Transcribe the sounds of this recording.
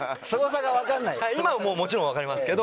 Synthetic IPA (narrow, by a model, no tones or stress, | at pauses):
sɨɡo̞saɡaβakãnːaihaiimamoːmo̞t͡ɕiɾõakaɾʲimasɨ̥ke̞d̪o